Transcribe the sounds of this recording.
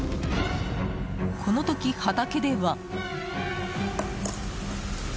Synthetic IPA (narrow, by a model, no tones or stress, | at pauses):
kʰo̞no̞t̪o̞kʲihat̪ake̞d̪e̞βa